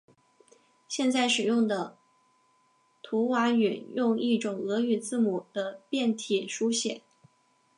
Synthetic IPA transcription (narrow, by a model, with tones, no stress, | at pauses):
ɕjɛ˥˧nt͡sa˥˩ɪʂɻ̩˨˩jʊ˥˩ŋd̪ə˩ | t̪ʰu˧˥wa˧˥y˨˩˦njʊ˥˧ŋi˥˩ʈ͡ʂʊ˨˩ŋɤ˧˥y˨˩t͡sɹ̩˥˩mu˨˩d̪̥ə˦pjɛ˥˩nt̪ʰi˨˩˦ʂu˥ɕjɛ̰˨˩˦